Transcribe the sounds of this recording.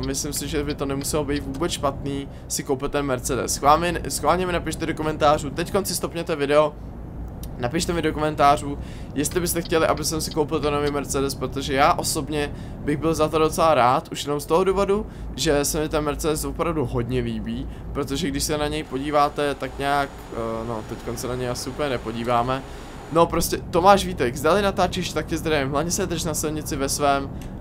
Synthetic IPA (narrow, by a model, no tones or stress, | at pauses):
mɪslɪmsɪʒɛbɪt̪o̞nɛmusɛlobit̪vuːbɛt͡sʃpat̪niː | sɪko̞wpɪlt̪ɛnmɛɾt͡sɛdɛ̰sxvaːmɪsxvaːlɲɛmɪnapiʃt̪ɛdokomɛnt̪aːr̝uːt̪ɛcko̞nsɪst̪opɲɛt̪ɛvɪdɛo̞ | napiʃt̪ɛmɪdokomɛnt̪aːr̝uː | jɛst̪lɪbɪst̪ɛxcɛlɪʔabɪsɛmsɪkowpɪlt̪onoviːmɛɾt͡sɛdɛspɾot̪o̞ʒɛjaːʔo̞so̞bɲɛ | bɪɣbɪlzat̪odo̞t͡sɛlaɾaːt̪ʔuʃjɛno̞mst̪o̞ɦoduːvo̞du | ʒɛsɛmɪt̪ɛnmɛɾt͡sɛdɛsvo̞pɾavduɦo̞dɲɛliːbiːpɾo̞t̪oʒɛɡdɪʃsɛnaɲɛjpo̞ɟiːvaːt̪ɛt̪akɲaːk | not̪ɛcko̞nsɛnaɲɛjasɪupəɲɛnɛpo̞ɟiːvaːmɛ | no̞pɾo̞scɛt̪o̞maːʃviːt̪ɛɡzdalɪnat̪aːt͡ʃɪʃt̪ak̚cɛzd̪ɾavɪmɦlavɲɛsɛd̪r̩ʃnasɪlɲɪt͡sɪvɛsvɛːm